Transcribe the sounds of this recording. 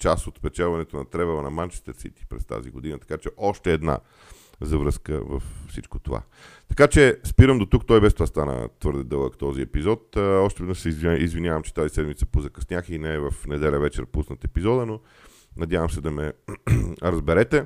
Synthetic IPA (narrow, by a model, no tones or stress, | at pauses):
t͡ʃasot̪fpɛt͡ʃalˠvɐnɛt̪onɐt̪ɾɛvɛlˠənɐmant͡ʃi̥t̪ɛsḭt̪i̥pɾɛ̰st̪a̰ziɡod̪inət̪ɐ̥kat͡ʃɛʔɔʃt̪ɛːd̪na̰ | zɐvɾəskə̰və̰ffsit͡ʃkot̪ova̰ | t̪ɐ̥kat͡ʃɛspiɾəmd̪ot̪ukt̪ɔjbɛst̪vast̪anə̰t̪vɤɾd̪ɛd̪ɤlˠəkt̪ɔziɛ̰pizɔt̪ɔʃt̪ɛvɛd̪nəsɛizizvinʲjavɐmt͡ʃɛ̥t̪azisɛd̪mit̪sə̥pozɐkɐsnʲjaxinɛːvɐfnɛd̪ɛlʲəvɛt͡ʃɛɾpusnət̪ɛpizɔd̪əno | nɐd̪javəmsɛd̪ɐmɛ | ɾɐzbɛɾɛt̪ɛ